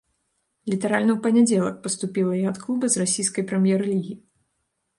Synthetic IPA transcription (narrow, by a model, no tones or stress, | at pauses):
lʲit̪ɐɾalʲnɐwpɐnʲɛd͡zʲɛlˠɐk̚pɐst̪upʲilˠɐiɐt̪klˠubɐzrasʲijskɐjpɾɛmʲjɛɾɨlʲiɣʲi